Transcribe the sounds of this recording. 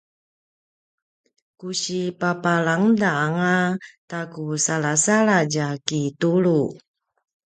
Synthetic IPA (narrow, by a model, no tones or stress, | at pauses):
kuɕipapalaŋdaːŋatakusalasalad͡ʒakit̪ulu